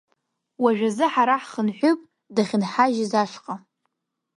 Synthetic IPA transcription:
waʒᶣazɨħaɾaħχənħʷᶣʊpʼ | daχʲɪnħaʒɪzaʂqʼa

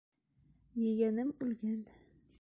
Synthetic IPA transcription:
jeɡʲænɪmʉlɡʲæn

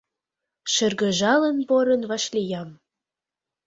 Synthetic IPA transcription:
ʃə̆rɣə̆ʒɑlənpoɾənvɑʃlʲijɑm

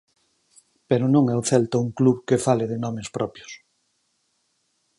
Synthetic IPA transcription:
peɾʊnõŋɛuθɛlt̪ouŋkluβkefalɪðɪnɔmɪspɾʔɔpjʊs

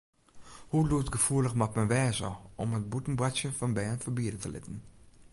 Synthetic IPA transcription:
hulutɡəfuːləxmatmɛnʋɛːzə̰ʔɔmət̚butən̩brasjəfɑnbɛːnfəbiədətə̰lʔɪ̰tən̩

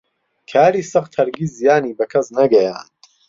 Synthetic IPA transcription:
kʰaːɾiːsɐχt̪ʰɐɾɡiːzijaːniːbɐkʰɐsnɐɡɐja̰ːn

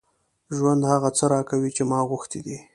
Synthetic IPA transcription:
ʒwand̪haɣat͡səɾɑkawit͡ʃemɑɣʊxt̪id̪i

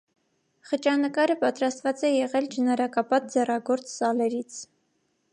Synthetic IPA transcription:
χət͡ʃɑnəkɑɾəpɑt̪ɾɑst̪vɑt͡sɛjɛʁɛld͡ʒənɑɾɑkɑpɑt̪̚d͡zɛrɑɡɔɾt͡ssɑlɛɾit͡sʰ

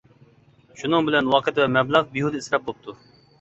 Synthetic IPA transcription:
ʃunɨŋbɪlɛnwɑqʰət̪ʰwɛmɛblˠɑʁbiɦud̪ɨisɾɛp̚bop̚t̪ʰu

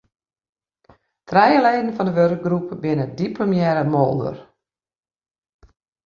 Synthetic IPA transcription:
trɛjəleːdn̩fɔndəʋørk̚ɡrupbɪnədiplomjɛɾəmolˠdə̰r

